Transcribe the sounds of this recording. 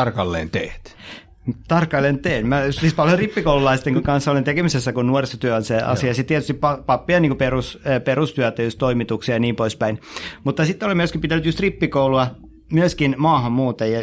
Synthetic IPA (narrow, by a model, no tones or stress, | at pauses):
ɑrkɑlːḛːnt̪eht̪ | t̪ɑrkɑlːent̪eːnmæjust̪ispɑljoripːikoululɑist̪eŋkuŋkɑnsːolent̪ekemisesːækunnuorisot̪yæonseɑ̰siɑsit̪t̪iæt̪yst̪ippɑpɑpːiɑniːŋkuperusperust̪yæt̪ːæjust̪t̪oimit̪uksiɑniːmpoispæinmut̪ːɑsit̪ːolemyøskimpit̪ænyt̪just̪ripːikouluɑ | myøskinmɑːhɑmmuːt̪ejjɑ